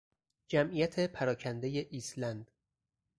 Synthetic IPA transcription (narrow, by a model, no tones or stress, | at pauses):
d͡ʒæmʔijæt̪ʰe̞pʰæɾɒːcʰænd̪eje̞ʔiːslænd̪̥